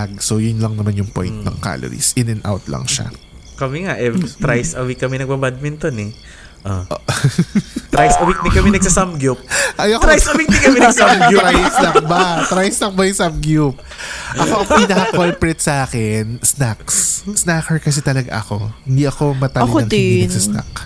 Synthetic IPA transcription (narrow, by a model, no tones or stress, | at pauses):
aɡ̚sojʊnlɐŋnɐmanjʊŋpo̰j̃nt̪̚nɐ̰ŋka̰lo̰ɾḭsɪnɐnʔa̰wt̪lɐ̰ŋʃa̰ | kɐmɛŋaʔɛt̪ɾajsɐwikːɐmɛnɐɡ̚bɐbad̪̚mɛnt̪onɛ | ʔoʔ | t̪ɾajsɐwik̚d̪kːɐmɛnɐɡ̚sɐsamɡjup̚ʔɐjɐkɾajsɐwik̪ɪkɐmɛnɐɡamjuɾasnɐŋkbat̪ɾajsnɐŋbɐjsɐmɡjup̚ʔɐkoʔɐŋpinɐkɐkolpɹɛt̪̚sɐʔaːkɛnsnakssnaːkɛɹkɐs̬ɛt̪ɐlɐɡa̰ʔɐko̞hɪnd̪iʔɐko̞mɐt̪aloɐŋd̪isɐsna̰k